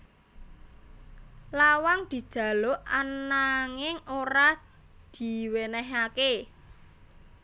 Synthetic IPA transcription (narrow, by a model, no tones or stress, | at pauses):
lawaŋd̪̥i̤d̥ʒ̥ä̤loʔanaŋɪŋoɾa | d̪̥i̤wenɛɦake